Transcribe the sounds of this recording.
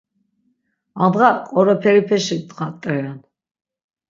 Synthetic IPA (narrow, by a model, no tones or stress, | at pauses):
ad̪ʁaqʼɔɾɔpʰɛɾipʰɛʃid̪ʁat̪ʼːɛɾɛn